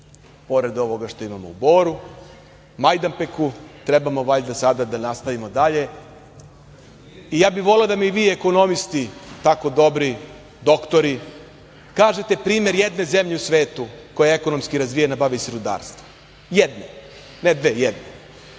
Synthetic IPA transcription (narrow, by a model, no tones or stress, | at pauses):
po̞ɾe̞d̪o̞ʋo̞ɡaʃt̪o̞imamo̞̰ubo̞ːɾu | majd̪ampekut̪ɾebamo̞ʋaʎd̪asad̪ad̪anast̪aʋimo̞d̪aʎe̞ | ijaːbiʋo̞led̪amiiʋiːe̞ko̞no̞mist̪it̪ako̞d̪o̞bɾi | d̪o̞kt̪o̞ɾi | kaːʒe̞t̪e̞pɾiːme̞ɾjed̪ne̞ze̞mʎe̞usʋe̞ːt̪uko̞jeeko̞no̞mskiɾazʋijenabaʋiseɾud̪a̰ːɾst̪ʋo̥ | jed̪ne | ned̪ʋejed̪ne